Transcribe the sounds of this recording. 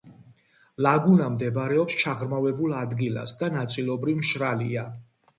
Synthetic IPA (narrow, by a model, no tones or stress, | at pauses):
laɡunamd̪ɛbɾɛɔpst͡ʃʰaʁɾmavɛbulˠad̪ɡila̰sd̪anat̪sʼilɔbɾivmʃɾalia